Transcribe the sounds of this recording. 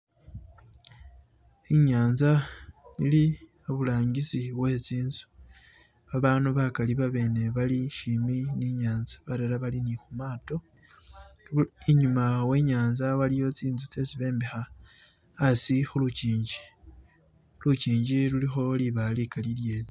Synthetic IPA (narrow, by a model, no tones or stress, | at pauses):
iɲaːnzaili | oβulaːɲɡisiwe̞t͡siːnzu̥ | βaβanuβakaliβaβe̞ːne̞βaliʃiminiɲaːnzḁβaɾeɾaβalinixumaːto̞ | iɲumawe̞ɲaːnzawalijo̞t͡siːnzut͡se̞t͡siβe̞ːmbexaː | sixuluciːɲd͡ʒi̥ | lut͡ʃiːɲɟilulixo̞liβalikalilje̞ːne